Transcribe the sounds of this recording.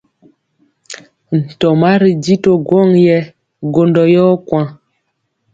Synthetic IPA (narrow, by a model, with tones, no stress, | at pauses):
n̩˨tɔ˨ma˦ɾi˨di˦to˨ɡwɔ˦˨ŋjɛ˦ | ɡo˨ndɔ˨jɔː˦kwã˦